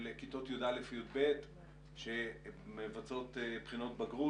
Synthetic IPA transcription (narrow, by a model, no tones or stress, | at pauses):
lekit̪o̞t̪jud̪alefjud̪bet | ʃemevat͡so̞t̪pχino̞t̪baɡʁu